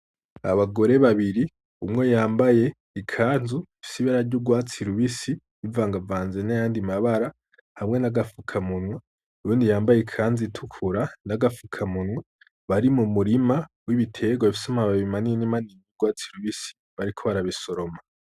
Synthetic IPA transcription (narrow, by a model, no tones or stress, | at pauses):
a̰βaɡo̞ɾe̞βaβiɾi | umŋejaːmbaje̞ | ikʰaːnzuifi̥siβaɾaɾɟuɡwaːt͡siɾuβisi | ivaːŋɡavaːnzenajaːndimaβaɾa | hamŋe̞naɡafukʰamunwe | uɾuːndijaːmbajekʰaːnzitʰukʰuɾanaɡafukʰamunwe | βaɾimumuɾimawiβitʰe̞ɡwaifi̥samaβaβimanijenimaniejuɡwaːt͡siɾuβisi̥ | βaɾikʰo̞βaɾaβiso̞ɾo̞ma